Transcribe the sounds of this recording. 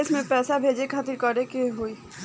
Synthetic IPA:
ɪsmẽpɛːsabʱeːd͡ʒekʰaːt̪ɪɾkɔɾekeɦoːiː

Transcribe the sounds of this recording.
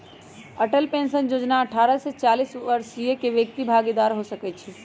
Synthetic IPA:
əʈəlpẽːnsənjoːd͡ʒnaəʈʰaːɾəset͡ʃaːliːsʋəɾsijekeʋjək̚t̪ibʱaːɡid̪aːɾɦosəkɛt͡ʃʰi

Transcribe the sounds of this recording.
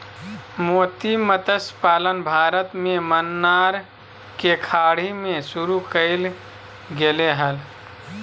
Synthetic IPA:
moːt̪imət̪əspaːlənbʱaːɾət̪mẽmənːaɾ | kekʰaːɽ̤imẽsuɾukəɪl | ɡeleɦəl

